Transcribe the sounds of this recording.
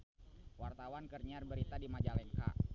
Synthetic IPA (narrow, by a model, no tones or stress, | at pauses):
wart̪awankərɲiarbəɾit̪adimad͡ʒalɛŋka̰